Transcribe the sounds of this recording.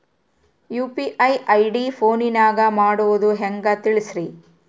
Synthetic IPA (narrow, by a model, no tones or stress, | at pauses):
juːpiʔɐjʔɐjɖipʰoːninaːɡɐmaːɽuʋud̪uɦɛŋɡɐt̪iɭisɾi